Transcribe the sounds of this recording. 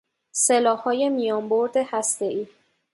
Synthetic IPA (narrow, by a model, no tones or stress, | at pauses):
selɒːhɒːje̞mijɒːmboɾd̪ehæst̪e̞ʔiː